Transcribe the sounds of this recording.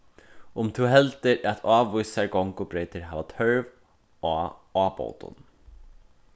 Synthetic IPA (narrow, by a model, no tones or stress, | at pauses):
ʊmt̪ʰuwɦɛlt̪ɪɹæt̪ʰaːʋujsaɹɡɔŋkʊbɾejt̪ɪɹɦaːʋat̪ʰœɹv | aːaːpo̰wt̪ʊ̰n